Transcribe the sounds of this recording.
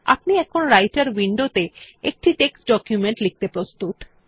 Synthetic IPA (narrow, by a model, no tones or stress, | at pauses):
a̰p̚niɛkʰonɾajʈaɾwiɳɖot̪eek̚ʈiʈeksʈɖɔkjumeɳʈlik̚t̪epɾost̪ut̪